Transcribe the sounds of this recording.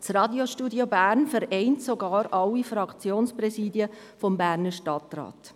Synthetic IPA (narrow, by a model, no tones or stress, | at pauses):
t͡srɑdjoʃtuːdjobæːɾnfəɾɛɪntsoɡɑːɾʔɑlːifɾɑkt͡sjoːnsprɛsiːdjə | fɔmbæːrnəʃtɑtrɑ̰ːt